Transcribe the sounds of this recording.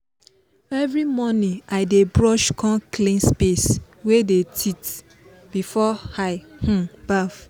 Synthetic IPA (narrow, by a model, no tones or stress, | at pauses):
ɛvɹimɔnĩaɪdebɹɔʃkʰɔ̃kʰlĩnspes | wedetʰit | b̥ifɔhaɪh̩b̥af